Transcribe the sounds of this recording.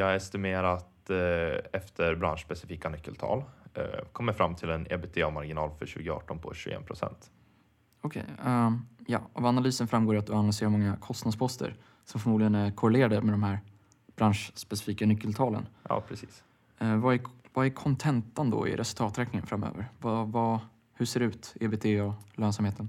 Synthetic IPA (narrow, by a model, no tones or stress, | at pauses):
jɑːɡɛst̪ɪmeːɾat̪ | ɛft̪ʰəɾbɾa̰nʂspɛsɪfiːkanʏkːəlt̪ʰɑ̰ːlkʰɔmːəɾfɾamːt̪ʰɪlɛnɛ̰bet̪ʰeːamaɾɡɪnɑːlfœɕʉ̟ːɡəɑ̰ːʈɔnpʰɔ̰ɕʉ̰ɡɛ̰ːnpʰɾʊsɛ̰nt̪ | ɔkʰɛ̰j | jɑ̰ːa̰vanalyːsənfɾamɡoːɾat̪̚d̪ɵanalɪseːɾaɾmɔŋːakʰɔst̪nad̪spʰɔst̪ʰə̰ɾ | sɔmfœɾmuːd̪lɡənæɾkʰʊɾɛleːɾad̪əmɛd̪ɔmhæːɾ | b̥ɾanʂspɛsɪ̥fiːkanʏkːəlt̪ʰɑːlə̰njɑ̰ːpʰɾɛsiːs | vaæɾvaæɾkʰɔnt̪ʰɛnt̪ənd̪ɔ̰ɪ̰ɾʔɛsɵlt̪ʰɑːt̪ɾɛːknɪŋə̰nfɾamːø̰ːvəɾvava | hɵseːɾɛʉ̟ːt̪ebeːt̪ʰeːɔløːnsamheːt̪ʰən